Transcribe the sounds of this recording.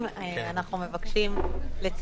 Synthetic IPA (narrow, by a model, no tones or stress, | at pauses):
manaχnume̞vakʃimlet͡s